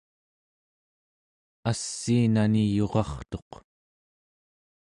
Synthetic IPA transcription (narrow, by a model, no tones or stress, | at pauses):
asːiːnanijo̞ʁɑχt̪oq